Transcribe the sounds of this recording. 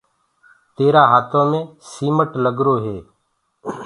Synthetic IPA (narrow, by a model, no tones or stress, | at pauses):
t̪eːɾaːɦaːt̪ʰõːmẽːsiːməʈləɡɾoːɦeː